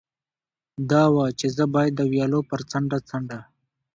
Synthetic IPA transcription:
d̪ɑwat͡ʃezəbɑːjd̪ːəwjɑːlopəɾt͡səɳɖat͡saɳɖa

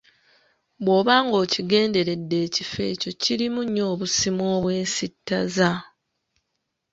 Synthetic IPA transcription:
βwo̞ːβaːŋɡo̞ːciɡe̞ːnde̞ɾe̞dːe̞ːcife̞̰ːco̞ciɾimuɲːo̞ːβusimo̞ːβwe̞ːnsitːaza

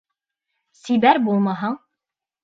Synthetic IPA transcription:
siβæɾbulˠmɑɦɑɴ

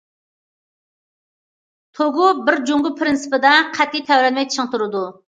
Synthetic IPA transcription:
t̪ʰoɡubɪɾd͡ʒuŋɡʊpʰɾɪnsɨ̥pɪd̪ɛqʰæt̪ʰːijt̪ʰɛwɾɛlmɛjt͡ʃʰəŋt̪ʰuɾɨd̪u

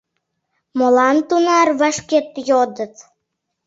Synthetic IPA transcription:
molɑnt̪unɑrβɑʃket̪jod̪ə̆t̪

